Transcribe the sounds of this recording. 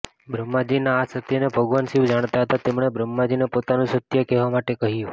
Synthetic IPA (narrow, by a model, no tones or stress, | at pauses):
bɾəmːad͡ʒinaːsət̪jənebʱəɡʋanʃiʋd͡ʒaɽ̃t̪aɦət̪at̪emɳ̃ebɾəmːad͡ʒinepot̪anũsət̪jəkɛʋamaʈekəɦjũ